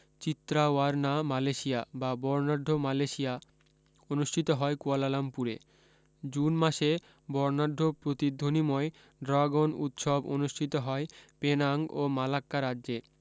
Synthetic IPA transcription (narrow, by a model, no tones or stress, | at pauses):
t͡ɕit̪ːɾaaɾnamaleʃiababɔɾnaɾɖʱomaleʃija | onuʃʈʰit̪oɦɔekualalampuɾḛ | d͡ʑunmaʃe | bɔɾnaɾɖʱːopɾot̪id̪ʱːonimɔe | ɖɾaɡonut̪ʃobo̰nuʃʈʰit̪oɦɔepenaŋɡomalakːaɾadːd͡ʑe